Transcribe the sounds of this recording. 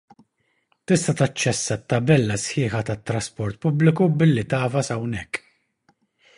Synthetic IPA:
t̪ɪst̪ɐt̪ɐt͡ʃːɛsːɐt̪ːɐbɛlːɐsħɪːħɐt̪ɐt̪ːɾɐspɔɾt̪̚pʊblɪkubɪlːit̪ɐːfɐsɐwnɛkː

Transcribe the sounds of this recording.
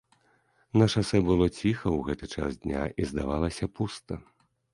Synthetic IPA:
nɐʂasɛbɨlˠɔt͡sʲixɐwɣɛt̪ɨt͡ʂa̰sd̪ʲnʲa̰ʔizd̪a̰valˠɐsʲɐpust̪ɐ

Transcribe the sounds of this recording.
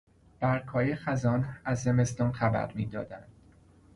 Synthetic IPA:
b̥æɾkʰhɒːjexæzɒːnæzːe̞me̞st̪ɒːnxæbæ̰ɾmḭːd̪ɒ̰ːd̪ænd̪̥

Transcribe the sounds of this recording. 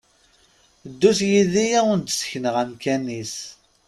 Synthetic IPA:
d̪ːusjiðijæʊnt̪sə̥çnəʁæmkænis

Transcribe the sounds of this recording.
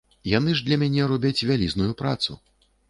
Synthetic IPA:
janɨʐd̪lʲɐmʲanʲɛɾɔbʲat͡sʲvʲalʲiznujupɾa̰t̪sṵ

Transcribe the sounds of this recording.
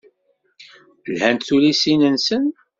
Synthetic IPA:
lhænt̪θulisinənsən

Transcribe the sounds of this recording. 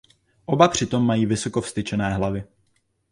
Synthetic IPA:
ʔo̞bapr̝̥ɪt̪o̞mːajiːvɪso̞kofst̪ɪt͡ʃɛnɛːɦlavɪ

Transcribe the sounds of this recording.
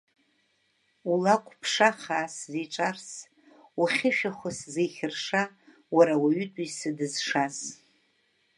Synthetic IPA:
ulakʷʰʼpʰʂaχaːsziʈ͡ʂʼars | uχʲɪʃᶣaχʷʊszejχʲɪrʂa | waɾawaɥʏtʼisɨdɨzʂas

